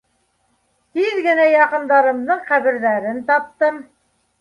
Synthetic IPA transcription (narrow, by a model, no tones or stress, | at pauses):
t̪iðɡɘ̆næjɑqɤ̆nd̪ɑɾɤ̆mðɤɴqæβɘ̆ɾðæɾɘnt̪ɑp̚t̪ɤm